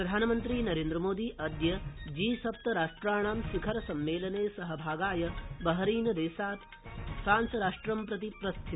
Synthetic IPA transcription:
ɾɐd̪ʱaːnɐmɐnt̪ɾiːnɐɾeːnd̪ɾɐmoːd̪iːʔɐd̪jɐd͡ʒiːsɐp̚t̪ɐɾaːʂʈɾaːɽ̃aːmsikʰɐɾɐsɐmːeːlɐneːsɐɦɐbʱaːɡaːjɐbɐɦɐɾiːnɐd̪eːsaːt̪ | saːnsɐɾaːʂʈɾɐmpɾɐt̪ipɾɐst̪ʰi

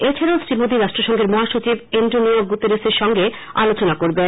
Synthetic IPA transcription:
et͡ɕʰaɾaosɾimod̪ʱiɾaʃʈɾoʃɔŋɡʱeɾmɔɦaʃot͡ɕibenɖonioɡut̪eɾeseɾʃɔŋɡe | a̰lot͡ɕonakoɾbe

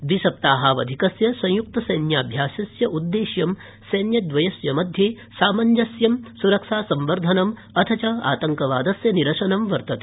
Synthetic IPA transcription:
bisɐp̚t̪aːɦaːʋɐ̰d̪ʱikɐsjɐsɐ̃j̃juk̚t̪ɐsɐjnjaːbʱjaːsɐsjɐʔud̪ːeːʃjɐm | sɐjnjɐd̪ʋɐjɐsjɐmɐd̪ʱjeː | saːmɐɲd͡ʒɐsjɐmsuɾɐkʃaːsɐmʋɐɾd̪ʱɐnɐm | ɐt̪ʰɐt͡ʃɐa̰ːt̪ɐŋkɐʋa̰ːd̪ɐsjɐniɾɐʂɐnɐmʋɐɾt̪ɐt̪e̥

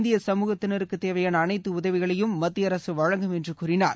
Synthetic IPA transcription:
nd̪ɪjɐsɐmuːɣɐt̪ːɪnɐɾɯkːɯt̪ːeːʋɐjaːnɐnɐɪt̪ːɯʊðɐʋɪɣɐɭɐjɯmmːɐt̪ːɪjɐɾɐsɯʋɐɻɐŋɡɯmɛndrɯkuːɾɪnaːɾ

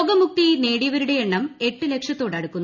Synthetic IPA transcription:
oɡɐmuk̚t̪ine̞ːɽiɐʋɐɾuɽe̞eɳːɐme̞ʈːɨle̞kʂɐt̪ːo̞ːɽɐɽukːunː

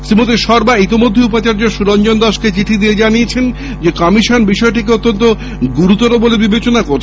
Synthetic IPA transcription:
sɾimot̪iʃɔɾbait̪imod̪ʱːeupat͡ɕaɾd͡ʑoʃuɾond͡ʑond̪ɔʃket͡ɕit̪ʰid̪ied͡ʑanijet͡ɕʰen | d͡ʑekɔmiʃonbiʃɔeʈikeot̪ːont̪o | ɡuɾut̪ɔɾobolebibet͡ɕonakoɾʰ

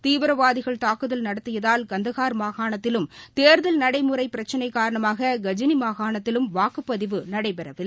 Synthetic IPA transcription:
t̪iːʋɯɾɐʋaːðɪɣɐɭt̪aːkɯðɐlnɐɽɐt̪ːɯjɐðaːlɡɐnd̪ɐɣaːɾmaːɣaːɳɐt̪ːɪlɯmt̪eːɾðɐlnɐɽɐɪmɯɾɐɪpːɪɾɐt͡ʃːɐnɐɪkːaːɾɐɳɐmaːɣɐɡɐd͡ʒɪnimaːɣaːɳɐt̪ːɪlɯmʋaːkɯpːɐðɪʋɯnɐɽɐɪpɛɾɐʋɪl

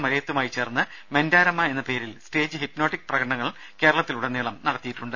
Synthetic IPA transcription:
mɐɾɐjɐt̪ːumaːjit͡ɕːe̞ːrnːɨ | me̞ndaːɾɐmːɐe̞nːɐpe̞ːɾilsʈe̞ːd͡ʑɨhipno̞ːʈːik̚ːprɐɣɐɽɐɳɐŋːɐɭ | ke̞ːɾɐɭɐt̪ːiluɽeniːɭɐmnɐɽɐt̪ːijiʈːuɳɖɨ

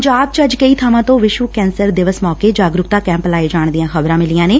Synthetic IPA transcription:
ɲd͡ʒaːb̚t͡ʃəd͡ʒkəiːt̪ʰaːmãːt̪õːʋɪʃʋəkɛːnsəɾd̪ɪʋəsmɔːkeːd͡ʒaːɡɾʊkt̪aːkɛ̃ːmplaːeːd͡ʒaːɳd̪ijãːxəbɾãːmɪlijãːneː

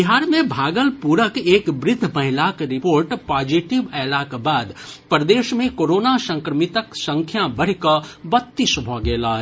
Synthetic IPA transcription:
bɪɦaːɾmẽbʱaːɡəlpuːɾəkeːkbɾɪd̪ʱːmɐɦɪlaːkɾɪpoːɾʈpaːd͡ʒiʈɪʋɛːlaːkbaːd̪pɾəd̪eːʃmẽkoːɾoːnasə̃ŋkɾəmɪt̪əksə̃ŋkʰjabəɽ̤kəbət̪ːisbʱɔːɡɛːlaː

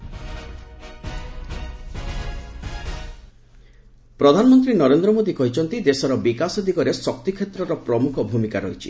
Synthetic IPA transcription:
pɾɔd̪ʱanɔmɔnt̪ɾinɔɾend̪ɾɔmod̪ikɔɦit͡ʃʰɔnt̪id̪esɔɾɔbikasɔd̪ʱikɔɾesɔkt̪ikʰːet̪ɾɔɾɔpɾɔmukʰɔbʱumikaɾɔɦit͡ʃʰḭ

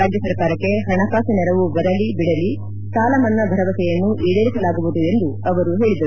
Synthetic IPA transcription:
ɾaːd͡ʒjɐsɐɾkaːɾɐkːe̞ɦɐɳɐkaːsinɛɾɐʋubɐɾɐlibiɽɐli | saːlɐmɐnːɐbʱɐɾɐʋɐsɛjɐnːuʔiːɽeːɾisɐlaːɡubud̪ue̞nd̪uɐʋɐɾuɦe̞ːɭid̪ɐɾu

